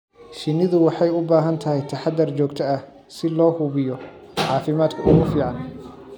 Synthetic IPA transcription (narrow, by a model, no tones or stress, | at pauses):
ʃɪnːɪðʊwɑħɑjʊbaːɦɐnt̪ʰɐɦɛjt̪ʰɐħɑd̪ɐrt͡ʃɔːɡt̪ʰɐɐ | sɪlɔːhʊβɪjɔ | ʕɑːfɪmaːd̪kʰɐʊɣʊfiːʕɑn